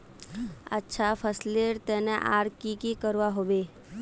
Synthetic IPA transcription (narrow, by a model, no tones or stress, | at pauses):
ə̰tːʃʰapʰəsleɾt̪ɛːneʔa̰ːɾkikikəɾʋaɦoːʋeː